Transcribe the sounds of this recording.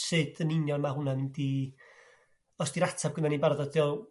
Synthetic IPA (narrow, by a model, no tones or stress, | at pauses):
sɨd̥ənɪnjɔnmaɦunanɪmdi | ɔsd̥iɾatʰab̚ɡənanibarðɔd̥tʰiɔ